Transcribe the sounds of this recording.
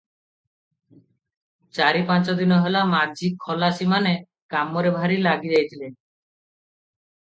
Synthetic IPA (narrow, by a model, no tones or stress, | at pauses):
t͡ʃaɾipant͡ʃɔd̪inɔɦelamad͡ʒikʰːɔlasimane | kamɔɾebʱaɾilaɡid͡ʒajt̪ʰile